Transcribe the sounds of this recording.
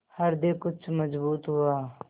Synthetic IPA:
hɐɾd̪ẽkʊt͡ʃʰmɐd͡ʒbuːt̪ɦʊaː

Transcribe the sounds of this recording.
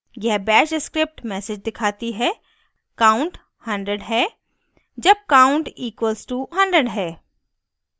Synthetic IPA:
jɐɦbɛːʃskɾɪp̚ʈmɛːsɪd͡ʒd̪ɪkʰaːt̪iɦɛ | kaːʊ̃ɳʈ | hɐ̃ɳɖɾəɖɦɛː | d͡ʒɐb̚kaːʊ̃ɳʈiːkwəlzʈuɦɐ̃ɳɖɾəɖɦɛː

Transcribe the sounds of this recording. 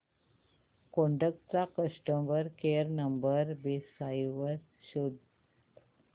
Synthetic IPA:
koɳɖək̚ʈ̚t͡sakəʂʈəmʋəɾkeəɾnəmbəɾbesajʋəɾ | ɕud̪

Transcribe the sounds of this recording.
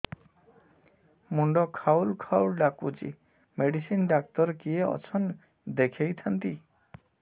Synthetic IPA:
muɳɖɔkʰawlkʰawlɖakud͡ʒḭ | meɖisinɖak̚t̪ɔɾkieɔ̰t͡ʃʰɔn | d̪ekʰejt̪ʰɔnt̪i

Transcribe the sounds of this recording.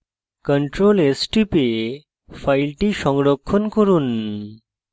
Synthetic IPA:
kəɳʈɾolesʈipe | fajlʈiʃɔŋɡɽɔkʰːɔnkɔɾun

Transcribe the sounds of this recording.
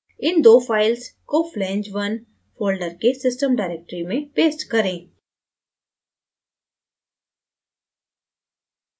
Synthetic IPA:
ɪnd̪oːfʰaːɪlskoflɛ̃ːɲd͡ʒʋən | foːlɖəɾkesɪsʈəmɖaɪɾeːk̚ʈɾimẽpeːsʈkɐɾẽː

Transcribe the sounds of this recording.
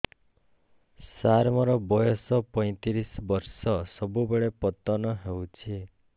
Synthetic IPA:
saɾmɔɾɔbɔjɔsɔpɔ̃j̃t̪iɾisbɔɾsɔsɔbubeɭepɔt̪ɔnɔɦewt͡ʃʰi

